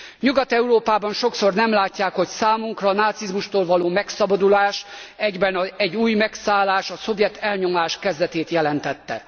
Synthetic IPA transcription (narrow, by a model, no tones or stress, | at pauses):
ɲuɡɒt̪ɛuɾoːpaːbɒnʃo̞kso̞rnɛmlaːcːaːkho̞csaːmuŋkrɒːnaːt̪sizmuʃt̪oːlvɒloːmɛksɒbɒd̪ulaːʃɛɟbɛnɛɟːuːjmɛksaːlːaːʃɒso̞vjɛt̪ʰːɛlɲo̞maːʃkɛzd̪ɛt̪eːt̪jɛlɛnt̪ɛt̪ːɛ̰